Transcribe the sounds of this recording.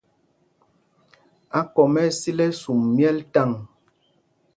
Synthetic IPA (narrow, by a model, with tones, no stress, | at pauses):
a˦kɔ˨mɛ˦˨si˦lɛ˦su˨mːjɛ˦lta˦˨ŋ